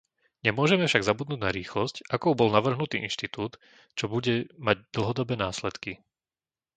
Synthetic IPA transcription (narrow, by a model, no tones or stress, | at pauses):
ɲɛmʊɔʒɛmɛfʃaɡzabud̪nuːɟnaɾiːxlɔscʔakɔʊbɔlnaʋr̩ɦnut̪iːʔinʃt̪it̪uːt̪ | t͡ʃɔbuɟɛmaɟd̪l̩ɦɔd̪ɔbɛːnaːslɛt̪ki